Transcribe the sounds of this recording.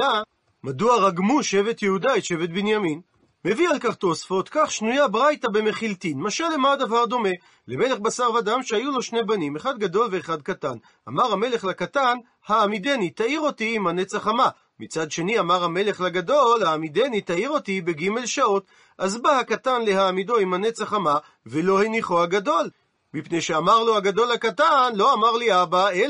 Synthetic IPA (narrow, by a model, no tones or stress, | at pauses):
a | maduaʁaɡmuʃevet̪jehudaet̪ʃe̞vet̪benjamin | me̞vialkaχt̪o̞sfo̞t̪kaχʃnujabʁajt̪abe̞meχilt̪inmaʃalːemad̪avaʁd̪o̞me̞ | leme̞le̞χbasaʁvad̪amʃeajulo̞ʃne̞banimeχad̪̚ɡad̪o̞lveːχad̪̚katan | a̰maʁhame̞le̞χlakatan | haːmid̪enit̪aiʁo̞t̪iːmhanet͡saχama | mit͡sad̪ʃe̞niamaʁhame̞le̞χlaɡad̪o̞lhaːmid̪enit̪aiʁo̞t̪ibe̞ɡime̞lʃao̞t̪ | ʔazbahakat̪anle̞haːmido̞imhanet͡saχama | velo̞heniχohaɡad̪o̞l | mipnejʃeamaʁloaɡad̪o̞lakat̪anlo̞amaʁliabael